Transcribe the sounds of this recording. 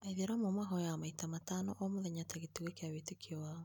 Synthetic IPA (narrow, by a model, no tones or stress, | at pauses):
aiðeɾamomaɦɔjamaitamatanɔʔɔmoðɛɲataɣetuɣekeawetekʰiɔwa